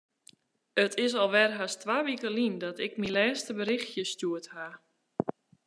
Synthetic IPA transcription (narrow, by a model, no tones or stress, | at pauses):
ətʰɪsɔlˠʋɛrɦastʋaːʋikəlindɔtɪkmilɛːstəbəɾɪxtjəstuətha